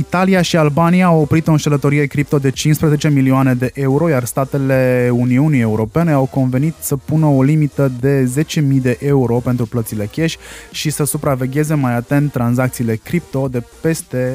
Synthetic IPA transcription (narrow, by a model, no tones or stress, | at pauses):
it̪aliaʃialbanijaːwopɾit̪o̞ɨnʃelət̪o̞ɾije̞kɾip̚t̪o̞d̪e̞t͡ʃinspɾəze̞t͡ʃe̞milioane̞d̪e̞ʔe̞uɾo̞jarst̪at̪e̞le̞uniunie̞uɾo̞pe̞ne̞awko̞nve̞nit̪səpunəolimit̪əd̪e̞ze̞t͡ʃe̞mijd̪e̞ʔe̞uɾo̞pe̞nt̪ɾuplət̪sile̞kʲe̞ʃʲʃisəsupɾave̞ɡʲe̞ze̞majat̪e̞nt̪ːɾanzakt̪siːle̞kɾip̚t̪o̞d̪e̞pe̞st̪e̞